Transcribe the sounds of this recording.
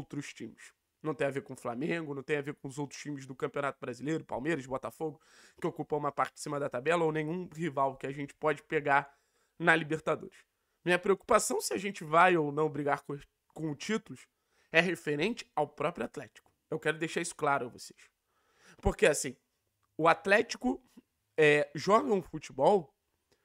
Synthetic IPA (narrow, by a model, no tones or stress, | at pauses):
owt̪ɾʊʃt͡ʃĩmɪʃ | nɐ̃w̃t̪ẽj̃avekõʊflamẽɡʊnɐ̃w̃t̪ẽj̃avekõʊzowt̪ɾʊʃt͡ʃĩmɪzd̪ʊkɐ̃mpiõnat̪ʊbɾazilejɾʊpa̰wmejɾɐʃbɔt̪afoɡʊ | kɪokupɐũmɐpaɾt͡ʃɪ̥sĩmɐd̪ɐt̪abɛlɐownẽɲ̃ũhivawkɪaʒẽnt͡ʃɪ̥pɔd͡ʒɪ̥peɡaɾ | nɐlibeɾt̪ad̪o̰ɾɪʃ | mĩɲɐpɾeoku̥pasɐ̃w̃sɪaʒẽnt͡ʃɪvajownɐ̃w̃bɾiɡak | kõʊt͡ʃit̪ulʊʃ | ɛɦefeɾẽnt͡ʃɪ̥awpɾɔpɾʊat̪lɛt͡ʃi̥kʊ̥ | ewkɛɾʊd̪eʃaɾisʊ̥klaɾʊavose̥ʃ | poɾkeasĩ | ʊat̪lɛt͡ʃi̥kʊ | ɛʒɔɡɐʊ̃fut͡ʃibɔw